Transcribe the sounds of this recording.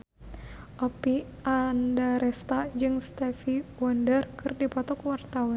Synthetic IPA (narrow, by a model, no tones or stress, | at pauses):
ʔɔpiʔandaɾɛst̪ad͡ʒɨŋst̪ɛfiwɔndərkʰɨrdipɔt̪ɔkuwart̪awan